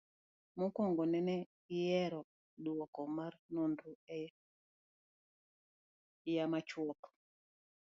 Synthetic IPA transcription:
mukɔŋɡɔnɛnɛ | ɪjɛɾɔ | ɗwɔkɔmarnonduɛ | jamat͡ʃwɔp

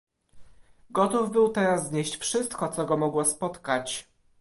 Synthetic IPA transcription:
ɡɔt̪uvbɘwt̪ɛɾazːɲeɕt͡ɕfʂɘst̪kɔt̪sɔɡɔmɔɡwɔspɔt̪kat͡ɕ

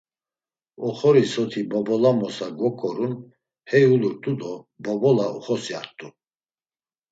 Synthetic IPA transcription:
ɔχɔɾisɔt̪ʰibɔbɔlamɔsaɡwɔkʼɔɾun | hɛjuluɾt̪ʼud̪ɔ | bɔbɔlaṵχɔsia̰ɾt̪ʼu

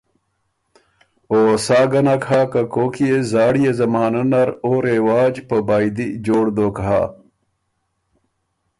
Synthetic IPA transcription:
oːsaːɡɐnakʰaːkɐkoːkijezaːɽijezɐmaːnɐnɐɾoːɾewaːd͡ʑpəbaːjd̪id͡ʑoːɽd̪oːkɦa̰

